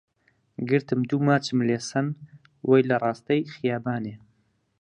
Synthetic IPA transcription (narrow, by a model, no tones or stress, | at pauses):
ɡɨɾt̪ʰɨmd̪uːmaːt͡ʃɨmleːsɐn | wʔɐjlɐrˤɑːst̪ɐjxɪjaːbaːneː